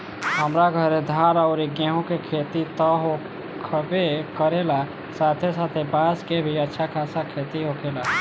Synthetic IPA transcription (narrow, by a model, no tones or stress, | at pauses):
ɦəmɾaɡʱəɾed̪ʱaːɾɔʊɾiɡeɦõkekʰeːt̪it̪əɦo | kʰbekəɾela | saːt̪ʰesaːt̪ʰebaːskebʱiətːʃʰakʰaːsakʰeːt̪iɦokʰela